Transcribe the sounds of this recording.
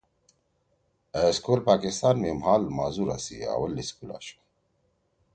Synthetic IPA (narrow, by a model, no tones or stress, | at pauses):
əskʰolpaːkist̪aːnmeːmhaːlmaːzuɾa̰sḭa̰ːwəlːiskula̰ʃk